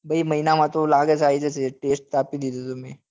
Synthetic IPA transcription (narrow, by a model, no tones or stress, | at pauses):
bʱɐimɐinamãt̪olaːɡet͡ʃaːid͡ʒet͡ʃeʈeːsʈ̚t̪aːpid̪id̪ot̪omẽ